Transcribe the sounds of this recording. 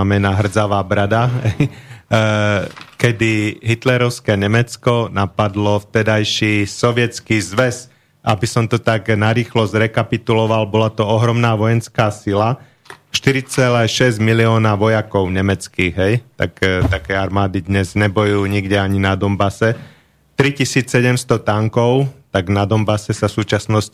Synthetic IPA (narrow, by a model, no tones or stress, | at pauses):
amɛnaɦr̩d͡zaʋaːbɾad̪aɦɛj | kɛd̪iɦit̪lɛɾɔʊskɛːɲɛmɛt͡skɔnapad̪lɔft̪ɛd̪ajʃiːsɔʋɪɛt͡skiːzʋɛs | ʔabisɔmt̪ɔt̪aɡnaɾiːxlɔzɾɛkapit̪ulɔʋalbɔlat̪ɔɔɦɾɔmnaːʋɔjɛnskaːsila | ʃt̪iɾit͡sɛlɛːʃɛzɟmiliɔːnaʋɔjakɔʊɲɛmɛt͡skiːɣɦɛjt̪a̰kt̪akɛːaɾmaːd̪id̪ɲɛzɲɛbɔjuːɲiɡɟɛaɲinad̪ɔmbasɛ | t̪ɾicisiːt͡sːɛɟɛmst̪ɔt̪aŋkɔʊt̪aɡnad̪ɔmbasɛsasuːt͡ʃasnɔsc